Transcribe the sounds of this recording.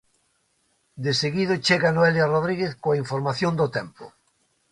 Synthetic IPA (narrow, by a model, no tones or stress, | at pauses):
d̪eseɣiðot͡ʃeɣanoɛljaroð̞ɾiɣeθkoaiɱfoɾmaθjõnd̪ot̪ɛmpo̰